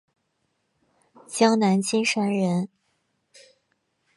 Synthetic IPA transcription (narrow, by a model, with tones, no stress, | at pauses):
t͡ɕjɑ˥ŋna˧˥nt͡ɕi˥nʂa˥nɻə˧˥n